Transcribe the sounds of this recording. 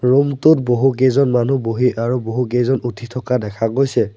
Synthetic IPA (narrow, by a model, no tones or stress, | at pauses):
ɹumtʊt̚boɦukejzɔnmanuboɦiʔaɹuboɦukejzɔnutʰitʰɔkadɛkʰaɡojsɛ